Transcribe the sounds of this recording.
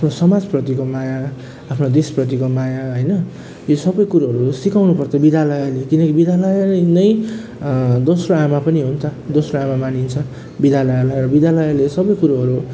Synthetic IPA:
apʰnosʌmad͡zprʌt̪ikomajaː | pʰnod̪esprʌt̪̬ikomajaɦʌjnʌ | josʌbʌjkuɾaɦʌɾusikawnupʌrt̪ʌbid̪ʱalʌjalekinʌkibid̪ʱalʌjaenʌj | d̪osroamapʌniɦunt͡sʰʌd̪osroamamanint͡sʰʌ | bid̪ʱalʌjalajɾʌbid̪ʱalʌjalesʌbʌjkuɾaɦʌɾu

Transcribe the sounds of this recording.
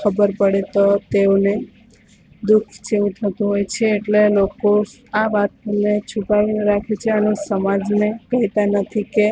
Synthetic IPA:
kʰəbəɾpəɽet̪ot̪eone | d̪ukʰt͡ʃiʋũt̪ʰət̪ũɦojt͡ʃʰeːʈleloko | aʋat̪̚əmnet͡ʃʰupaʋineɾakʰet͡ʃʰeənesəmad͡ʒnekəɦit̪anət̪ʰike

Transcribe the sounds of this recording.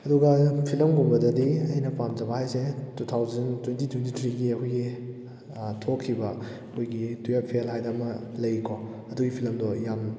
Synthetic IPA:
ɐduɡɐpʰilɐmɡombɐdɐdiɐjnɐpamd͡ʒɐbɐhajsetutʰawzɐntwentitwent̬itʰɾiɡiɐkʰojɡi | tʰokʰːibɐ | kʰojɡitujapʰielɦajdɐmɐlɐjkʰo | ɐduɡipʰilɐmdojam

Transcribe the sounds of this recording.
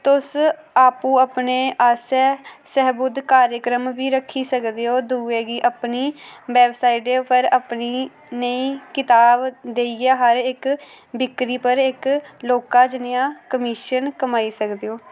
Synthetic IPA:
t̪ʊs | aːpũːəpneːʔaːsɛːsɛɦbʊd̪kaːɾjəkɾəmʋiːɾəkʰːiːsəkd̪eːoːd̪uːeːɡiːʔəpniːbɛːbsaːiʈeːpʰəɾəpniː | neĩːkɪt̪aːbd̪eːiːɡaːɦəɾɪk | bɪkɾiːpəɾɪkloːkaːd͡ʒɪnejãːkəmiːʃənkəmaːiːsəkd̪eːoː

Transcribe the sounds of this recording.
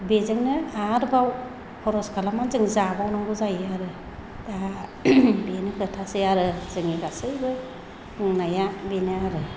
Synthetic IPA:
bezɯŋnɯaɾbaw | pʰɔɾɔskʰalamanzɯŋzabawnaŋɡuzajaɾɯ | da | benɯkʰɯtʰasɯjaɾɯzɯŋiɡasɯjbɯ | kɯŋnajabenɯaɾɯ

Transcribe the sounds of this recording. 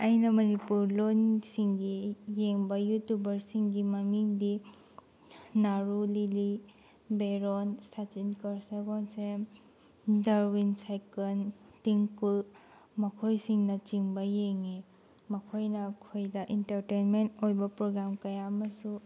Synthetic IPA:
ɐjnɐmɐnipuɾlonsiŋɡijeŋbɐjutubɐɾsiŋɡimɐmiŋdi | aɾulili | beɾonsat͡ʃinkɐɾseɡonse | dɐɾwinsajkɐntiŋkul | mɐkʰojsiŋnɐt͡ʃiŋbɐjeŋe | mɐkʰojnɐkʰojdɐʔintɐɾtenmentojbɐpɾoɡɾamkɐjamɐsu

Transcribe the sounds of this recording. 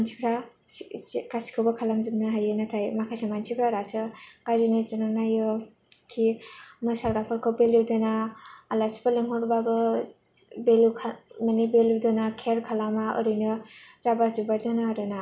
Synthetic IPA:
mant͡ʃʰipʰɾa | kasi̥kʰɔwbakʰalamzɯbnaɦajɯnatʰajmakʰajsemansʰipʰɾaɾasɯɡ̥azinezɯnɔnajɯ | kʰimasaɡɾapʰɔɾkʰɔwbeludɯnaːlasibaleŋɦɔɾbabɯ | belukʰmanibeludɔnakʰeɾkʰalamaɯ̰ɾinɯzabazubadɔnaɾɯna

